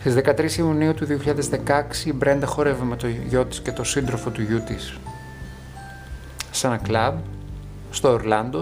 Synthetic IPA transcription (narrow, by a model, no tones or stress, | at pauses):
st̪izðe̞kɐt̪ɾisiuniut̪uðioçiʎɐðe̞zðe̞kɐksiːbɾe̞nd̪ɐxo̞ɾevemet̪oʝo̞t̪i̥sce̞t̪o̞sind̪ɾo̞fo̞t̪uʝut̪is | sɐnɐklɐb | st̪o̞ːɾlɐnd̪o